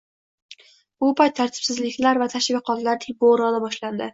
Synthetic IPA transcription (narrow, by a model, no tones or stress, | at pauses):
bʊpʰajt̪ʰːaɾt̪ʰɪ̥psɪzlɪkʲlaɾvat̪ʰaʃɪvʲaqʰɒt̪laɾt̪ʰɪboɾɒd̪abɒʃland̪ɪ